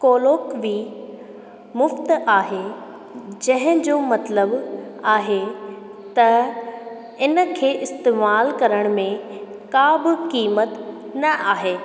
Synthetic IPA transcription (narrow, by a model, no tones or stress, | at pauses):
koːloːkʋi | mʊft̪aːɦe | d͡ʑɐ̃ɦɪ̃d͡ʑoːmɐt̪ləbaːɦe | t̪ɐ | ɪnə̆kʰeːʔɪst̪eːmaːlkɐɾəɽ̃mẽ | kaːbɪkiːmət̪nɐʔaːɦeː